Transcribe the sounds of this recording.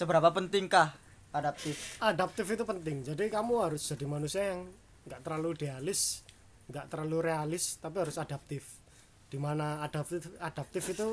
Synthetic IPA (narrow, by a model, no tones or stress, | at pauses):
səbəɾapapənt̪ɪŋkah | adap̚t̪ɪfʔadap̚t̪ɪfit̪upənt̪ɪŋd͡ʒadikamuɦaɾʊsd͡ʒ̥a̤d̥i̤manusiajaŋ | ŋɡaʔt̪əɾlaluɖ̥ealɪs | ŋɡaʔt̪əɾlaluɾealɪst̪apiɦaɾʊsadap̚t̪ɪf | d̥imanaːd̥ap̪ad̥ap̚t̪ɪfit̪u